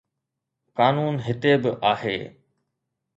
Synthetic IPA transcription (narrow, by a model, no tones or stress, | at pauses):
kaːnuːnɦɪt̪eːbəʔaːɦḛː